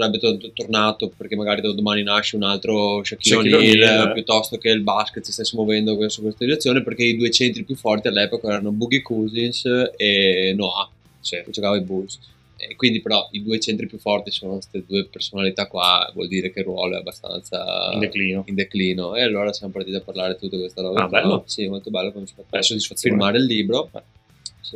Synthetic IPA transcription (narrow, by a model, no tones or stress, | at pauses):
labit̪ot̪ut̪ːornaːt̪operkemaɡaːɾid̪od̪omaːninaʃeunalt̪ɾoʃakːionilpjut̪ːɔst̪okeilbasket̪ːsist̪esːemovɛnd̪osukːwest̪ad̪iɾet̪sːjoːneperkeid̪uːet͡ʃɛnt̪ɾipjufːɔrt̪ialːɛpokaɛːɾanobuɡikuːzinsenoa | sid͡ʒokaːvaibuls | kːwind̪ipeɾɔid̪uːet͡ʃent̪ɾipjufːɔrt̪isoːnokwest̪ed̪uːepersonalit̪akːwavwɔ̰ld̪iːɾekerwɔ̰ːloɛ̰a̰bːast̪a̰nt̪sa̰nd̪eklinoind̪ekliːnoealːoːɾasjamopaɾt̪iːt̪iapːarlaːɾet̪ut̪ːikwest̪aɾɔɡaɛsimolt̪obɛlːokomosi̥fat̪ːsod̪isfaiɾmaːɾeilːiːbɾo | si